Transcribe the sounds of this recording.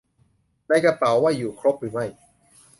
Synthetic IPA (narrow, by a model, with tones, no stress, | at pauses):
na˧jka˧pa˨˦wːaː˥˩jːuː˨˩kʰɾo˦˥p̚ɾɯː˩˦ma˥˩j